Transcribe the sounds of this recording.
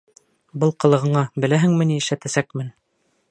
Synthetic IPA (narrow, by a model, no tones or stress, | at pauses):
bɤlˠqɤ̆lˠɤ̆ʁɤ̆ɴɑbɘ̆læɦɘŋmɘ̆niɘ̆ʃlæt̪æsækmɘn